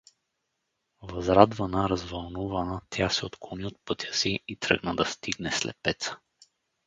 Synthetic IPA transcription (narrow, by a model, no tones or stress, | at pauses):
vɐzɾad̪vɐnəɾɐzvɐlˠnuvɐnət̪ʰʲasɛot̪klˠoniot̪̚pɤt̪ʲjəsiit̪ɾə̰ɡnəd̪ɐst̪iɡnɛslɛ̰t̪̚pɛt̪sə̥